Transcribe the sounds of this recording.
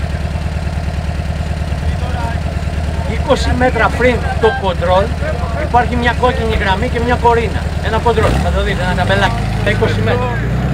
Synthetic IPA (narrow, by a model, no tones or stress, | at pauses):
iko̞sime̞t̪ɾɐpɾint̪oko̞nd̪ɾo̞lipɐɾçimɲɐko̞ciɲiɣɾɐmice̞mɲɐko̞ɾinɐ̰e̞nɐko̞nd̪ɾo̞lθɐt̪oðit̪eenɐd̪ɐbelɐci̥ | iko̞sime̞t̪ɾɐ